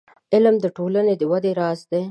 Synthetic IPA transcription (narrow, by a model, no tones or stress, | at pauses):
ɪlmd̪əʈolaned̪əwad̪eɾɑsd̪e